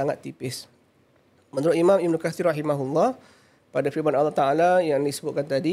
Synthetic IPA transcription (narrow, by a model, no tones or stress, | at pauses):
aŋat̪ːipɪs | mənuɾʊʔimãmibnukaθiraɦimaɦulːɔh | padafibanalːɔt̪aalajaŋdisəbʊt̪̚kant̪adi